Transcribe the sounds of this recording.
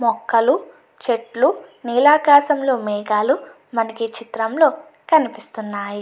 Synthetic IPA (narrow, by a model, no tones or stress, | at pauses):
mɔkːɐlu | t͡ʃeʈluniːlaːkaːʃɐmlo̞ːmɛːɡaːlu | mɐnɐkit͡ʃit̪ɾɐmlo̞ː | kɐnipist̪unːaːji